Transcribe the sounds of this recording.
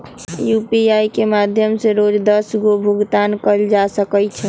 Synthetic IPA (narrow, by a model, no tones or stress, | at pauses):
jupiajkemad̪ʱjəmseɾod͡ʒd̪əsɡobʱuɡt̪ankəld͡ʒasəkət͡ʃʰɛ